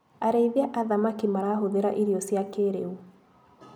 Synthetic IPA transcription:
aɾeiðiaʔaðamakimaɾaːɦoðeɾa̰ʔiɾiɔsiakeɾḛu

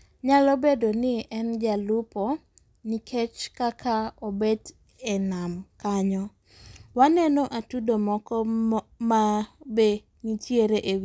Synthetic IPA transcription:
ɲalɔbedonɪʔɛnd͡ʒalupɔ | nikʰet͡ʃkakʰaobed | ɛnamkaɲɔ | wanɛnɔʔatudomɔkɔmabe | ɲit͡ʃjeɾeʔew

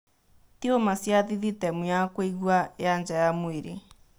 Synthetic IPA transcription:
tiomasjaðiðitɛmujakweiɣwajand͡ʒajamoeɾḛ

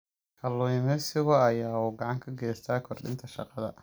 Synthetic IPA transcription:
kʰɐlɔmɛsɪɣɔɐjaːuːɡɑʕɑŋkʰɐɡɛːst̪ʰaːkʰɔrɖɪ̰nt̪ʰɐʃɑ̰qɑðɐ̰

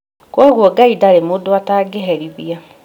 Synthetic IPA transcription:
kwɔɣwɔɡaidaɾemodwataɡeɦɛɾiβia

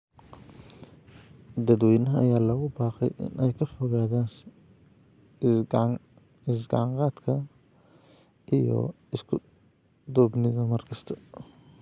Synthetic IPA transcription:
d̪ɐd̪wɛjnɐɦɐɐjaːlɐɣʊbaːqɛ̰jʔɪ̰nʔɛjkʰɐfɔɣaːðaːn | ɪs̬ɡɐ̰ʕɑŋqɑːt̪kʰɐ | ʔijɔ̰ | ɪskʰʊ | d̪ɔːbnɪðɐmɐrkʰɐst̪ʰɐ̥

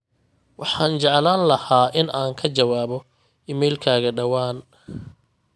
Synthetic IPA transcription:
wɑħɑːnt͡ʃɛʕlaːnlɐhaːʔɪnaːŋkʰɐt͡ʃɐwaːβɔ | ɪmɛjlkʰaːɣɐɖɐwaːn

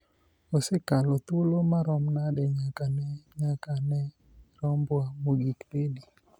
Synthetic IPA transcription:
osekalot̪ulomaɾɔmnadɛɲakanɛɲakanɛ | ɾɔmbwamoɡikledi

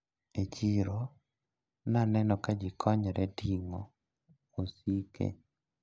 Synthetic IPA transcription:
et͡ʃiɾo | nanɛnɔkad͡ʒɪkʰɔɲɛɾɛdiŋo | osikʰḛ

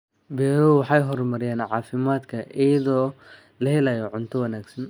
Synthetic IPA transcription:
bɛːɾuwɑħɑjɦɔrmɐɾɪjaːnʕɑːfɪmaːd̪kʰɐʔɪjɐðɔː | lɐhɛlajɔʕʊnt̪ʰɔwɐnaːɡsɐn

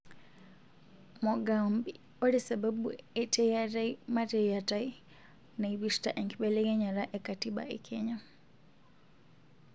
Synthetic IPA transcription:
moɡaːmbi | olisebabueetejataimatejatai | neiβiʃtaʔeŋkiɓelejeɲaɾaʔekatiɓa̰ekʰeɲa

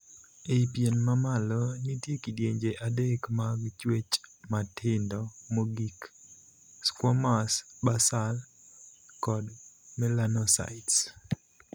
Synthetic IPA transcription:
eipjenmamalɔnitjekidjeɲd͡ʒeʔadekmaɡt͡ʃwet͡ʃmatʰɪndɔmoɡik | skwɔmasbasal | kɔdmɛlanɔsa̰ɪts

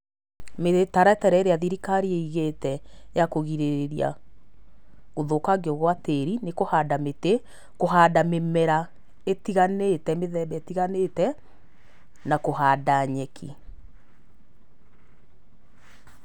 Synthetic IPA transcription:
metaɾaetɛɾɛeɾeaðiɾikaɾieiɣetɛjakoɣiɾeɾeɾia̰ | ɣoðokaɡeɔɣwateɾinekohaːdamete | koɦadamemɛɾa | etiɣanetɛmeðɛbɛetiɣanetɛ | nakoɦaːdaɲɛkʰḭ

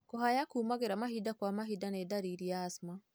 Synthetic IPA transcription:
kohajakuːmaɣeɾamahidakwamaɦidanedaɾiɾijaːsma

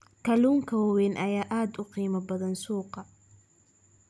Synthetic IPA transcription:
kʰɐluːŋkʰɐwɐwɛnʔɐjaːʔaːd̪ʊqiːmɐbɐðɐnsuːqɑ

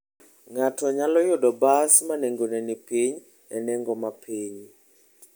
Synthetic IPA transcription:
ŋatɔɲalɔjodɔbasmaneŋɡonɛnipiɲ | ɛnɛŋɡɔmapʰiɲ

